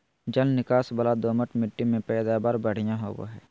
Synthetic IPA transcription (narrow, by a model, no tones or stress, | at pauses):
d͡ʒəlnɪkaːsbəlad̪oːməʈmɪʈːimẽpɛːd̪aːbaːɾbəɽ̤ɪjãɦoːʋo̰ɦɛː